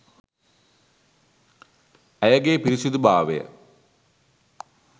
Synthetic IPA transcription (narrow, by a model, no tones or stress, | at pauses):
ɐjɐɡepiɾiɕud̪ubaːʋḛ